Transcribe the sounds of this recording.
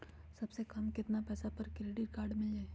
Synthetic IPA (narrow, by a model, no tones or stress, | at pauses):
sɐbsekɐmkɪt̪napɛːsapɐɾkɾeːɖɪɾkaːɾɖmɪlɛː